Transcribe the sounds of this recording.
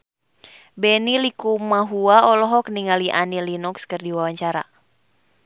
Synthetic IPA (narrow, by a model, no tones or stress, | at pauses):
bɛnilikumaɦuaɔlɔɦɔk̚niŋaliʔanilinɔkskɨrdiwawaɲt͡ʃaɾa̰